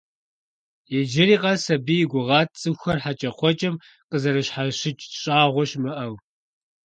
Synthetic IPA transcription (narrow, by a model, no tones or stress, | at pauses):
jɛd͡ʒɪɾiːqɐsɐbiːjɪɡʷʊʁɑːt̚ʰt͡sʼɨxʷɐrħat͡ʃʼɐχʷɔt͡ʃʼɐm | qəzɐɾɨɕħaɕɪt͡ʃʼɕʼaːʁʷɔɕmɨʔɐw